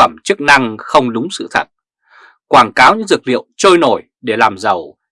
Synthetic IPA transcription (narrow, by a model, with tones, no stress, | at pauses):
ə˧˩mt͡ɕɨ˦˥k̚na˧ŋxə˧wŋ͡mɗʊ˨˦ŋ͡msɨ̰˧˨t̪ʰə˨˩t̚ | kwaː˧˩nkaː˨˦wɲɨ̰˧˥ŋzɨ˨˩k̚lḭ˧˨əwt͡ɕoː˧jno˧˩j | ɗe˧˩laː˨˩mzə˨˩w